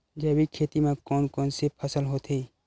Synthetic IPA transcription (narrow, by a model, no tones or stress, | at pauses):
d͡ʒɛːbikʰeːt̪imẽkɔːnkɔːnsepʰəsəlɦoːt̪ʰɦeː